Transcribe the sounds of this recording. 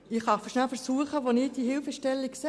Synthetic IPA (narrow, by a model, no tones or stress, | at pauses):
ɪχɑfəʃnælfəɾsuəχəʋonɪt̚d̥ihɪlfəʃtɛlːikse